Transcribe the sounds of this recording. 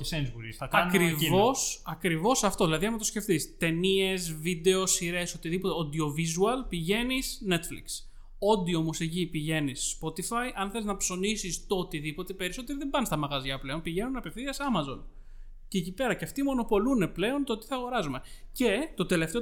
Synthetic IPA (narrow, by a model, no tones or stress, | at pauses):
esenizuɾisɐkɐnkɾivo̞sɐkɾivo̞sɐft̪oðilɐðiɐnmɐt̪osce̞ft̪ist̪e̞nie̞zvid̪e̞o̞siɾe̞sot̪iðipot̪eond̪io̞vizuɐlpiʝe̞nisne̞t̪flḭks | o̞d̪iomosecipiʝe̞nisːpo̞t̪ifɐjʔɐnθe̞liznɐpso̞nisist̪oot̪iðipo̞t̪e̞pe̞ɾisot̪eɾiðembɐnst̪ɐmɐɣɐzʝɐpleo̞npiʝe̞nunepe̞fθiɐsɐmɐzo̞n | ceːcipe̞ɾɐceɐft̪imo̞no̞po̞lune̞ple̞o̞nt̪oot̪i̥θɐɣo̞ɾɐzume̞ce̞t̪o̞t̪e̞le̞ft̪e